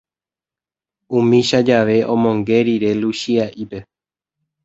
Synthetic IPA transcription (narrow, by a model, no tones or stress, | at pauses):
ũmĩʃad͡ʒaʋe̞ʔõ̞mõŋɡe̞ɾiɾe̞luʃiaʔipe̞